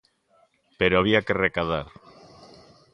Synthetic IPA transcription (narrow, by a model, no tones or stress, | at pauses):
peɾoaβ̞iakerekaða̰ɾ